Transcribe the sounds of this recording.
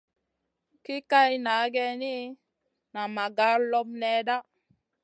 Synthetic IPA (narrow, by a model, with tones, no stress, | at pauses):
ki˦ka˦jna˨˦ɡɛ˦ni˦ | na˨ma˨ɡa˦ɾlɔ˦mnɛ˦da˦